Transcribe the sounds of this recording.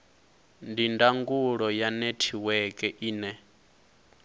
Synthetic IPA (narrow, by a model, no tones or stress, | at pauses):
ndindaŋɡuɺɔjanetʰiwɛkʼɛʔiːnɛ